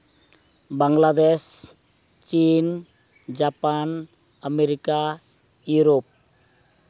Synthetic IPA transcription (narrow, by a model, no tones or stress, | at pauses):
baŋlad̪es | t͡ʃin | d͡ʒapan | ameɾika | juɾop̚